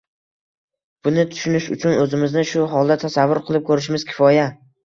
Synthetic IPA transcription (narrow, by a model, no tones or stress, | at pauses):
b̥ʊnɪt̪ʰʊ̥ʃʊnɪʃʊ̰t͡ʃʰʊnɵzɪmɪznɪʃʊɦɒlˠd̪at̪ʰasavːʊɾqʰɨlˠɪp̚kʰɵɾɪʃ̬ɪmɪz̥kʲʰɪ̥fɒja